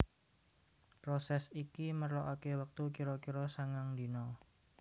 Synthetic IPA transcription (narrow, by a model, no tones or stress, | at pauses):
pɾɔsɛsikimərlɔʔakewək̚t̪ukiɾɔkiɾɔsaŋaŋd̪i̤nɔ